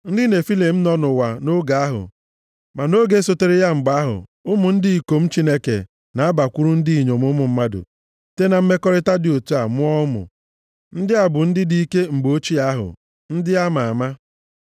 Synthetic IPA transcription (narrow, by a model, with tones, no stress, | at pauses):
n̩˦dɪ˦ne˨fi˦le˨m̩˦nɔ˦nʊ˨wa˨no˦ɡa˨a˦ɦʊ̰˨ | ma˨no˦ɡe˦so˦˨te˦ɾe˦ja˦ŋ͡m̩˨ɡ͡ba˦ɦʊ̰˨ʊ˦mʊ˨n̩˦dɪ˦i˨ko˨m̩˦t͡ʃi˦ne˦kḛ˨ | na˨a˦ba˨kʷu˦ɾu˦n̩˦di˦i˨ɲo˨mʊ˦mʊ˨m̩˦ma˦dʊ̰˨ | te˦na˨m̩˦me˦kɔ˦ɾɪ˦ta˦dɪ˨o˨tu˦a˨mʊ˦ɔ˦ʊ˦mʊ̰˨ | n̩˦dɪ˦a˨bʊ˨n̩˦dɪ˦di˦i˦ke˦ŋ͡m̩˨ɡ͡bo˦t͡ʃi˦a˦ɦʊ̰˨ | n̩˦dɪ˦a˦ma˨a˨ma˦